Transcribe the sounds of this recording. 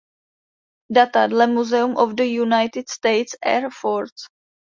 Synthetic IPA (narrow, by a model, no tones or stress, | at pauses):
dat̪adlɛmuzɛumʔovdəjunajt̪ɪd̪st̪ejt̪sɛ̰ɾfoɾs